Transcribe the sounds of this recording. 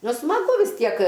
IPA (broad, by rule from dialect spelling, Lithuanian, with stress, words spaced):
nʊ smɐˈɡʊ ʋʲɪs ˈtʲiɛk